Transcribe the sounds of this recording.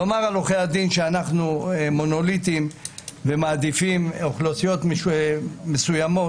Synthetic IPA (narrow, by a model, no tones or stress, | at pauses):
omaʁaloχejad̪inʃeanaχnumo̞no̞lit̪imve̞maːd̪ifimoχlosijo̞t̪m | mesujamo̞